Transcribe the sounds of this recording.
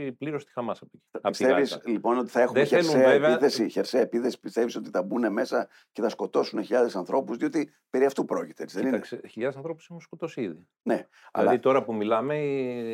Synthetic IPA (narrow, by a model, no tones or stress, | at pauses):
pliɾost̪i̥xɐmɐsɐpoci̥ist̪evislipo̞no̞t̪i̥θɐe̞xumeçesseɐeiθesiçe̞ɾseɐepiθe̞si̥pist̪eviso̞t̪iθɐbune̞me̞sɐ | ce̞θɐsko̞t̪o̞suneçiʎɐðe̞sɐnθɾo̞puzðio̞t̪i | pe̞ɾiɐft̪upɾo̞cit̪eet͡siðeiɐsçiʎɐðesɐnθɾo̞pu̥simusko̞t̪osiði | ne̞ | ɐ̰lɐðit̪o̞ɾɐpumilɐme